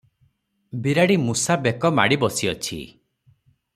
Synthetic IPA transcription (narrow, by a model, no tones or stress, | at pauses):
biɾaɽimusabekɔma̰ɽibɔsiɔt͡ʃʰḭ